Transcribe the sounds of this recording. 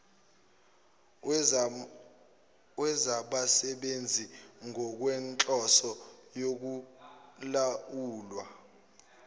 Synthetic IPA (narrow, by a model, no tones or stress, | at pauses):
wɛzaɓasɛɓend͡zʱiŋʱɔk̬wɛnt͡ɬʼɔsɔjok̬u | lauːlwa